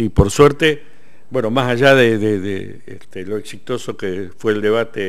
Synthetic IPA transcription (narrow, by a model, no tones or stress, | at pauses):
ipoɾsweɾt̪e | bweno̞masaʒaðeðeðḛ | ḛst̪eloeksit̪o̞sokefweːld̪eβ̞at̪e